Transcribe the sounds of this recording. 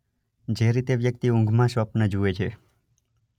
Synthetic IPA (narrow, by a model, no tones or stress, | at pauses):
d͡ʒeɾit̪eʋjək̚t̪iũŋɡʱmãʃʋəpnəd͡ʒuet͡ʃʰe